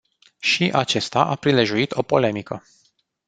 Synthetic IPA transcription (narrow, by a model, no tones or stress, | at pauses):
ʃiʔat͡ʃe̞st̪aʔapɾile̞ʒuit̪ʰo̞po̞le̞mikə